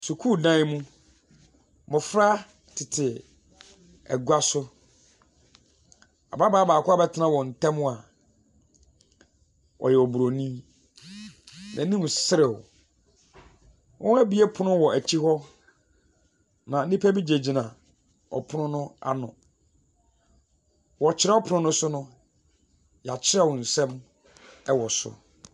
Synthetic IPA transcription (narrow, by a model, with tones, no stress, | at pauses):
su˨kʰu˦˨dã˦mũ˦ | mʊ̃˨fɾa˦ | tʰɪ˨tʰɪ˨ | ɛ̰˨ɡu˦a˦sʊ˦ | a̰˨ba˦baː˦baː˨kʰʊ˦a˦bɛ˦tʰɪ˨˦nã˦wɔ˨n̩˨tʰɛ̃˦m˦a˨ | ɔ̰˨jɛ˨ɔ˨bu˨ɾo˨nĩ˦ | nã˨˦ĩ˦m˨sɪ˦ɾɪ˨ | wʔɔ̃˦n˦æ˦bi˨˦e˦pʰʊ˦nʊ̃˦wɔ˨æ˨t͡ɕʰi˦hɔ˦ | nã˨n̩˦ni˦pʰæ˦bi˦d͡ʑe˨d͡ʑi˨nã˨ | ɔ̰˨pʰʊ˦ʊ̃˦nʊ̃˦a̰˦nʊ̰̃˨ | wɔ˨t͡ɕʰɪ˦ɾɛ˦ɔ˦pʰʊ˨nʊ̃˦nʊ̃˦sʊ˦nʊ̃˦ | ja˨t͡ɕʰɪ˦ɾɛ˦˨wɔ˨n̩˨sɛ̃˦m | ɛ˦wɔ˨sʊ̰˨˦